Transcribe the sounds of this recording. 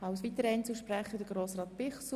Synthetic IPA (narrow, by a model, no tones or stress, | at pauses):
ɑwsʋit̪əɾəɛɪnt͡suʃpɾæχədəɡɾoːsrɑːt̪̚pɪχs